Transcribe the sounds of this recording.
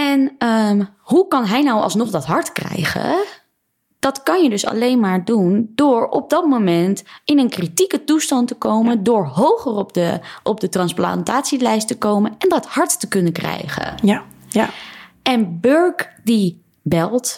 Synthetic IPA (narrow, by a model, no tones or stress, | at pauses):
ɛn | ɦukɑnɦɛjnɑwɑ̰lˠsnɔχdɑtɦɑɹtkrɛ̰jχə̰ | d̥ɑtkɑnjədɵsɑ̰lejnmaːɹdundʊːɹɔ̰b̚dɑtmowmɛntɪnənkritikətustɑntəkowməndʊːɹɦowχərɔpdəɔp̚dətrɑnspla̰ntaːtsilɛjstəkowmənɛndɑthɑɹtːəkɵnəkrɛ̰jχə̰ | ʔɛnbøɹkdi | bɛlˠt